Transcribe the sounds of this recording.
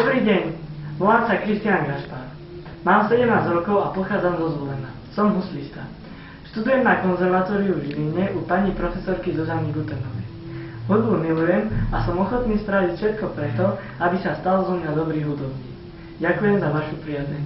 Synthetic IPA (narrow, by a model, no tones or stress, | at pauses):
d̪ɔbɾiːɟɛɲʋɔlaːmsakɾist̪inanɡɾaʃpaɾ | maːmsɛɟɛmnaːzɾɔkɔʊapɔxaːd͡zamzɔzʋɔlɛna | sɔmɦuslist̪a | ʃt̪ud̪ujɛmnakɔnzɛɾʋat̪ɔːɾiuvʒliɲɛʔupaɲipɾɔfɛsɔɾkizɔzaniɡut̪ɛnɔʋɛ | ɦud̪bumilujɛmasɔmɔxɔt̪niːsp̪ɾaʋicfʃɛt̪̚kɔpɾɛt̪ɔ | abisast̪alzɔmad̪ɔbɾiːɣɦud̪ɔbɲiː | ɟakujɛmzaʋaʃupɾiazɛɲ